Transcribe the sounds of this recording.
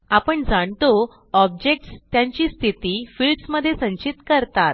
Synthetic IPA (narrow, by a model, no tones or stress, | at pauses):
apəɳd͡zaɳt̪o | ɔb̚d͡ʑek̚ʈst̪jaɲt͡ɕiːst̪ʰit̪iːfilsməd̪ʱːjesə̃ɲt͡ɕit̪kəɾt̪at̪